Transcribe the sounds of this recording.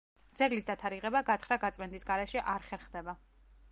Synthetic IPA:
d̪zɛɡlisd̪at̪ʰaɾiʁɛbaɡat̪ʰχɾaɡat̪sʼmɛnd̪isɡaɾɛʃɛʔaɾχɛɾχd̪ɛba

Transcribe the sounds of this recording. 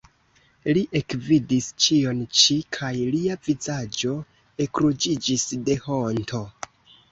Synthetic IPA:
liʔe̞kvidist͡ʃio̞nt͡ʃikʰajliavizad͡ʒo̞ | e̞kɾud͡ʒid͡ʒisde̞hontʰo̞

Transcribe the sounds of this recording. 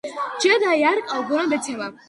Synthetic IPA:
d͡ʒɛd̪ajaɾkʼawɡɔɾɔb̪ɛt̪sʰɛla

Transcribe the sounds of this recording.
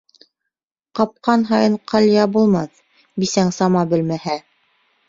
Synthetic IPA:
qɑp̚qɑnɦɑjɤɴqʰɑlʲjɑbulˠmɑθ | bisæŋsɑmɑbɘ̆lmæhæ

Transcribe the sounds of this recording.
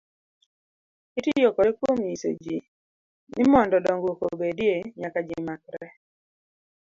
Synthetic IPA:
itijokɔɾɛkwomjiso̰d͡ʒi | nɪmɔndɔdɔŋɡwokobedjeɲakad͡ʒɪmakɾɛ

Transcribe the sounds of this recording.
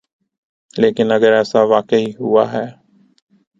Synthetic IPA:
leːkɪnəɡəɾɛːsaʋaːkeɦiɦʊaːɦɛː

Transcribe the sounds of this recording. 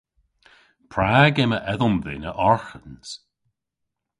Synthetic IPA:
pʰɹaːɡɛməʔɛðəmðɪ̰nəʔɔɹxəns

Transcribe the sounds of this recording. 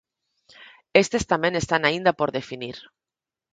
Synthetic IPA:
est̪est̪amẽnest̪anaind̪apoɾðefiniɾ

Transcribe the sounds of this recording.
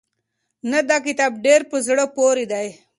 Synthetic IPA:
nɐd̪akit̪aːb̚ɖeːɾpəzɽopoːɾid̪aj

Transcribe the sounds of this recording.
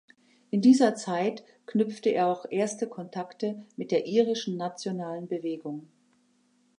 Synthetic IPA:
ʔɪndiːzɐt͡saɪt | knʏp͡ftəʔḛːɐaʊxʔeːɐstəkʰɔntʰaktəmɪt̚d̥eːɐʔiːʁɪʃn̩nat͡sjonaːlənbəveːɡʊŋ

